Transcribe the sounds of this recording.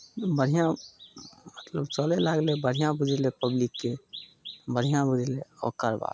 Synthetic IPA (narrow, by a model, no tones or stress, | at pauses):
bəɽ̤ijã | mət̪ləbt͡ʃəlelaɡlebəɽ̤ijãbud͡ʒʱelepəblikːe | bəɽ̤ijãbud͡ʒʱeleɔ̰ːkəɾba̰